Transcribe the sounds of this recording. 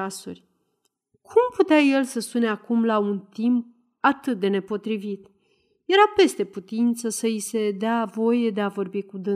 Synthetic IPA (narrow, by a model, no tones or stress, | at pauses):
asṵrʲ | kʰumput̪eaje̞lsəsuneakumlaunt̪imp̚ | at̪ɨt̪̚d̪e̞ne̞po̞t̪ɾivit̪ | je̞ɾape̞st̪e̞put̪int̪səsəise̞d̪eavo̞je̞d̪e̞avo̞rbikud̪ɨ